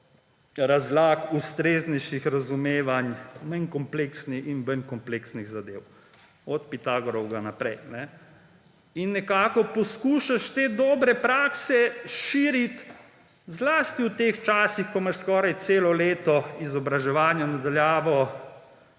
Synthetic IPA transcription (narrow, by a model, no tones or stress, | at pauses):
ɾazlaːkust̪ɾeːznɛjʃixɾazumeːʋanmankɔmpleːksnixinbənkɔmpleksniɣzad̪eːw | ɔt̪̚pit̪aːɡɔɾɔwɡanapɾɛjnɛ | inːɛkaːkɔpɔskuːʃaʃt̪eːd̪ɔːbɾɛpɾaːksɛʃiːɾit̪ | zlaːst̪iwt̪eːxt͡ʃaːsixkɔmaʃskɔːɾajt̪seːlɔleːt̪ɔizɔbɾaʒɛʋaːnjanad̪aljaːʋɔ